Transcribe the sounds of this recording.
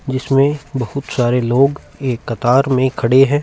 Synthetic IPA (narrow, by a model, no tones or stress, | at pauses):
d͡ʒɪsmẽbɐhʊt̪saːɾeloːɡ | eːkːɐt̪aːɾmẽkʰɐɽeɦɛ̃ː